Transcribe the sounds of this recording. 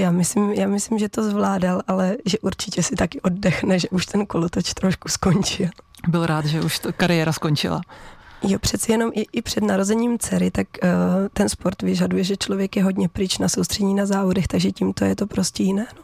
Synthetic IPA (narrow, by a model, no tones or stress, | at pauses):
jaːmɪsɪmjaːmɪslɪmʒɛt̪o̞zvlaːdalʔalɛʒɛʔuɾt͡ʃɪcɛsɪt̪akɪʔo̞d̚dɛxnɛʒɛʔuʃt̪ɛnkolot̪ot͡ʃt̪ɾoʃku̥sko̞ɲt͡ʃɪlˠbɪlɾaːt̪ʒɛʔuʃt̪okaɾɪjɛːɾaskont͡ʃɪ̰la̰jopr̝̥ɛt̪t͡sɛjɛno̞mʔɪʔɪpr̝̥ɛdnaɾo̞zɛɲiːmt͡sɛɾɪt̪akt̪ɛnspoɾt̪vɪʒadujɛʒɛt͡ʃlo̞vjɛkjɛɦo̞dɲɛpɾɪt͡ʃnaso̞wst̪r̥ɛɲiːnazaːvo̞dɛxt̪aɡʒɛcimt̪o̞jɛt̪o̞pɾoscɛjɪnɛːno